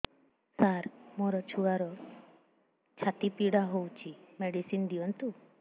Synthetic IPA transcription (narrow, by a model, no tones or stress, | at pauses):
saɾmoɾɔt͡ʃʰuaɾɔ | t͡ʃʰat̪ipiɽaɦowt͡ʃʰimeɽisind̪iɔnt̪u